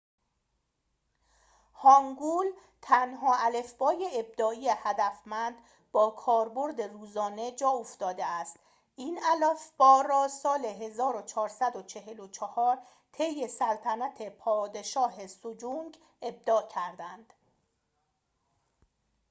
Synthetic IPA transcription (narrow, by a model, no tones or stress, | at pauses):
hɒŋɡuːl | t̪ʰænɦɒːʔæle̞fb̥ɒːjeeb̚d̪ɒːijehæd̪æfmænd̪ | bɒːkʰɒːɾbo̞ɾd̪e̞ruːzɒːne̞d͡ʒɒːoft̪ɒːd̪e̞æst̪ | ʔiːnælefb̥ɒːrɒːsɒːle̞ɦe̞zɒːɾot͡ʃʰɒːɾsæd̪ot͡ʃʰe̞ɦelot͡ʃʰɑhɒːɾ | t̪ʰe̞jːe̞sælt̪ʰænæt̪ʰe̞pʰɒːd̪e̞ʃɒːɦe̞sod͡ʒuŋɡ | e̞b̚d̪ɒːcʰæɾd̪ænd̪̥